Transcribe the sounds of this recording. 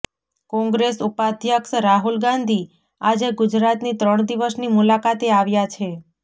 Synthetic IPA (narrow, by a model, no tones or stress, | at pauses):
kɔ̃ŋɡɾesupad̪ʱjəksɾaɦulɡãnd̪ʱi | ad͡ʒeɡʊd͡ʒɾat̪nit̪ɾəɳ̃d̪iʋəsnimulakat̪eaʋjat͡ʃʰe